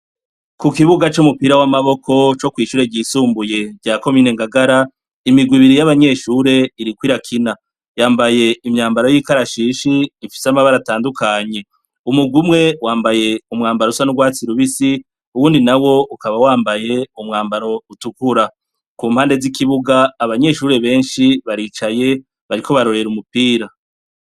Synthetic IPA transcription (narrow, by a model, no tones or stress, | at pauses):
kukiβuɡat͡ʃumupiɾawamaβo̞kʰo̞t͡ʃo̞kwiːʃuːɾe̞ɟiːsuːmbuje̞ɟaːko̞miːne̞ŋɡaɡaɾa | imiɡwiβiɾijaβaɲe̞ʃuːɾe̞iɾikwiɾakʰina | jaːmbaje̞imɲaːmbaɾojikaɾaʃiːʃiːfi̥samaβaɾataːndukʰaɲe̞ | umuɡumŋe̞waːmbaje̞umŋaːmbaɾosanuɡwaːt͡siɾuβisi | uwuːndinawo̞ukaβawaːmbaje̞umŋaːmbaɾo̞utukuɾa | kuːmhaːnde̞zikʰiβuɡaːβaɲe̞ʃuːɾe̞βe̞ːnʃiβaɾiːt͡ʃaje̞ | βaɾikʰo̞βaɾo̞ɾe̞ɾumupiːɾa